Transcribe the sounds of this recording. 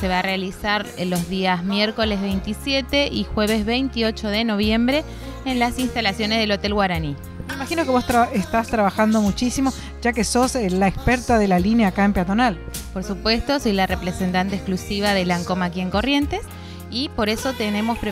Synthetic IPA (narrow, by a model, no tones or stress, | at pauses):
se̞βaːrealisaɾelozðiazmjeɾko̞lezβejnt̪isjet̪eʔixweβ̞ezβejnt̪io̞t͡ʃo̞ðeno̞β̞je̞mbɾe̞ː | nlasinst̪alasjo̞nezðelo̞t̪e̞lɣwaɾani | meimaxino̞keβost̪aest̪ast̪ɾaβaxand̪o̞mut͡ʃisimo | ʒakeso̞slaekspeɾt̪aðelalineaːkaempjat̪o̞nal | po̞ɾsupwe̞st̪o̞sijlarepɾesent̪ant̪ehsklusiβ̞aðelaŋko̞mak̬ie̞ŋko̞rje̞nt̪es | ipo̞ɾeso̞t̪ene̞mo̞spɾe